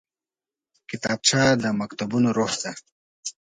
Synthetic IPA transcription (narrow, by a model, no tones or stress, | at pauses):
kɪt̪aːb̚t͡ɕʰad̪əmɐkt̪abunoɾoːsd̪a